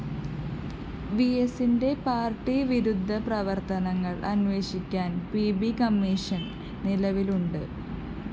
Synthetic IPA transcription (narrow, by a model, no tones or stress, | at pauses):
ʋiesinde̞paːrʈːiʋiɾud̪ʱːɐprɐʋɐrt̪ɐnɐŋːɐɭɐ̰nʋe̞ːɕikʲːaːnpibikɐmːiʂɐn | nilɐʋiluɳɖɨ